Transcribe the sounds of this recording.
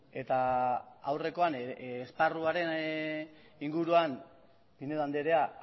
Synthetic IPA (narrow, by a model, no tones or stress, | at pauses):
e̞t̪aa̰wre̞ko̞anːsparuaɾe̞n | iŋɡuɾuan | pineðand̪eɾea